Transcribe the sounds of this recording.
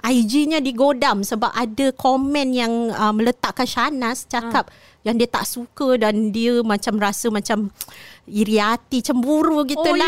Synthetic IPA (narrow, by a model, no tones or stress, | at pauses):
ʔajd͡ʒiɲãdiɡodamsəbapadəkʰomɛ̃njaŋəmə̃lət̪aʔkanʃanast͡ʃakap̚ | jaŋdiət̪a̰ʔsukədandiəmãt͡ʃamɾasəmãt͡ʃam | iɾiat̪it͡ʃəmbuɾuɡit̪ula